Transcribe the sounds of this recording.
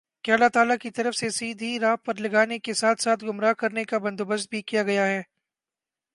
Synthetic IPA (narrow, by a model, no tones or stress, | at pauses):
keɐlat̪aːlakit̪ɐɾəfsesiːd̪ʱiɾaːɦpɐɾlɐɡaːnekesaːt̪ʰsaːt̪ʰɡʊmɾaːɦkɐɾnekabɐ̃nd̪obəst̪̚bʱikijaɡɐjaɦɛː